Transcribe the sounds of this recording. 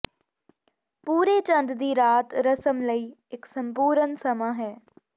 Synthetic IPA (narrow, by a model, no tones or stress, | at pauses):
puːɾeːt͡ʃə̃nd̪d̪iːɾaːt̪ɾəsəmləiːɪksə̃mpuːɾənsɐmaːɦɛː